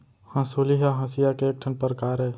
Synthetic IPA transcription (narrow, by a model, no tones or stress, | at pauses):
hãːsoːliɦaɦãːsijakeeːk̚ʈʰənpəɾkaːɾɦɛː